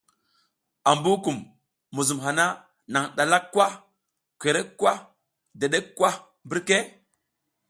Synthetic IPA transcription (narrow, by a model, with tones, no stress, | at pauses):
a˨mbu˦ku˨mː | u˨zu˨mɦa˨na˦ | na˨ŋɗa˨la˦kːwa˦ | kʷe˨ɾe˦kːwa˦ | de˨ɗe˦kːwa˦ | bi˦ɾke˦